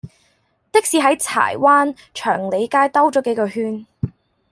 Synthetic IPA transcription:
t̪ɪ˥k̚siː˧ɦɐ˨˥jt͡sʰa̰ː˨˩jwaː˥n | t͡ʃʰœː˨˩ŋle˨˧jkaː˥jt̪ɐ˥wt͡sɔː˨˥ke˨˥jkɔː˧hyː˧˥n

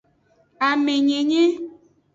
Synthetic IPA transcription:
a˨me˨ɲẽ˨ɲẽ˦

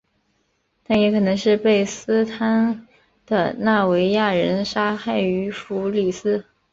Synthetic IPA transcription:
t̪ʰa˥˩jɛ˧˥kʰɤ˨˩nɤ˧˥ŋʂɻ̩˥˧pe˥˩ɪsɹ̩˥t̪ʰa˥n | d̪̥ə̰˧na˥˩we˧˥ɪja˥˩ɻə˧˥nʂa˥xa˥˩ɪy˧˥fu˧˥li˨˩sɹ̩˥

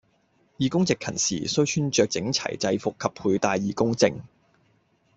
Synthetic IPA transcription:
jiː˨˩kʊ˥ŋt͡sɪ˨kʰːɐ̰˨˩nsḭː˨˩sɵ˥ɥt͡ʃʰyː˥nt͡ʃœː˨k̚t͡sɪ̰˨˥ŋt͡sʰɐ̰˨˩jt͡sɐ˧jfʊ˨kʰːɐ˨p̚pʰːuː˧jt̪aː˧jiː˨˧kʊ˥ŋt͡sɪ˧ŋ

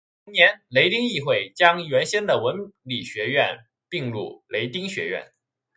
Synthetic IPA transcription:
ŋnjɛ˧˥nle˧˥ɪt̪i˥ŋi˥˧xwe˥˩ɪt͡ɕjɑ˥ŋɥɛ˧˥nɕɛ˥nd̪ə˨wə˧˥nli˨˩ɕɥɛ˧˥ɥɛ˥˩n | pi˥˧ŋlu˥˩le˧˥ɪt̪i˥ŋɕɥɛ̰˧˥ɥɛ̰˥˩n

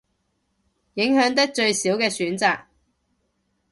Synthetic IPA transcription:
jɪ˨˥ŋhœː˨˥ŋt̪̬ɐ˥k̚t͡ʃɵ˧ɥsiː˨˥wkɛː˧syː˨˥nt͡saː˨k̚

